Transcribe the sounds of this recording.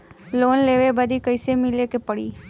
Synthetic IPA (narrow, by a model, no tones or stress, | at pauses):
loːnleːʋebəd̪ʱikəɪsemɪlekepəɽḭː